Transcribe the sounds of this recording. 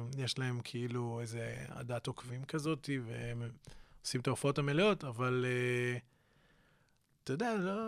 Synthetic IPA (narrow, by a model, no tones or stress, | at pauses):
jeʃlae̞mkʰeiluejzea̰datokvimkazo̞tivḛmosimtofao̞tameleo̞tavale | t̪ojdealo